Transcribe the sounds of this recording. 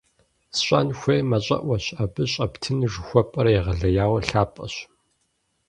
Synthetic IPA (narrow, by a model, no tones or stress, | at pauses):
sɕʷʼɐ̰nxʷeːmɐɕʼɐ̰ʔʷɐɕabɨɕʼɐptʰɨnʐɨxʷɔpʼɐɾɐjɛʁɐɮɐjaːwɐɬaːpʼɐ̰ɕ